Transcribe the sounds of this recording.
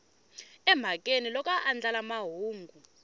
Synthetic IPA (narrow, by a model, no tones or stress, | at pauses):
ɛm̤ʱakʼenilɔk̬ʼaʔand͡ɮalamaɦuːŋɡʱu